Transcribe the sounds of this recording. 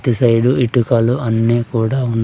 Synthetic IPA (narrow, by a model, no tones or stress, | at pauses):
t̪ːisɐjɖuiʈːukaːluɐnːiːkuːɽaːunː